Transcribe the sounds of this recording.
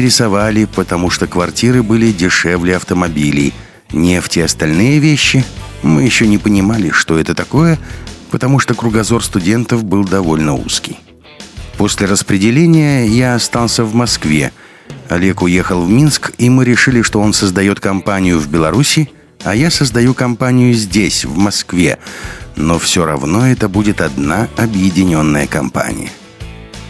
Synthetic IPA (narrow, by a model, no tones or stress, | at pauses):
ɾʲɪsɐvalʲɪpət̪ɐmuʂt̪okvɐrtʲiɾɨbɨlʲɪdʲɪʂɛvlʲɪɐft̪əmɐbʲilʲɪ̰j | nʲɪftʲeɐst̪ɐlʲnɨjəvʲeɕːɪmɨjɪɕːonʲɪpənʲɪmalʲɪʂt̪o̞ɛt̪ət̪ɐko̞jəpət̪ɐmuʂt̪okɾʊɡɐzo̞rst̪ʊdʲe̞nt̪əfbɨlˠd̪ɐvo̞lʲnəṵskʲɪj | po̞sʲlʲɪɾəspɾʲɪdʲɪlʲenʲɪjəjaɐst̪alˠsʲəvmɐskvʲe̞̰ | ɐlʲekʊje̞xəlˠvmʲinskimɨɾʲɪʂɨlʲɪʂt̪o̞o̞nsəzd̪ɐjo̞t̪kɐmpanʲɪjʊvbʲɪlˠɐɾusʲɪ | ɐjasəzd̪ɐjukɐmpanʲɪjʊzʲdʲesʲvmɐskvʲe̞̰no̞fsʲoɾɐ̰vno̞ɛt̪əbudʲɪt̪ɐd̪naɐbjɪdʲɪnʲo̞nːəjəkɐmpa̰nʲɪ̰jə̰